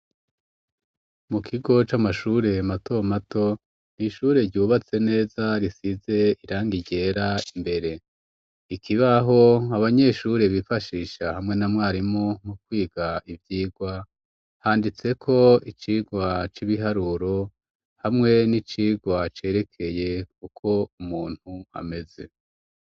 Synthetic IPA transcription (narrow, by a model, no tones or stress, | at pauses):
mukʰiɡo̞t͡ʃamaʃuɾe̞mato̞mato̞ | niʃuːɾe̞ɾɟuːβat͡se̞ne̞ːzaɾisize̞iɾaːŋɡiɟe̞ɾaimbe̞ɾe̞ | ikʰiβaɦo̞aβaɲe̞ʃuɾe̞βifaʃiːʃahamŋe̞namŋaːɾimomukwiːɡaivjiːɡwa | haːndit͡sekʰo̞it͡ʃiːɡwat͡ʃiβiɦaɾuɾo̞ | hamŋe̞nit͡ʃiːɡwat͡ʃe̞ːɾe̞kʰe̞je̞kukʰo̞umuːn̥hua̰me̞ze̞̰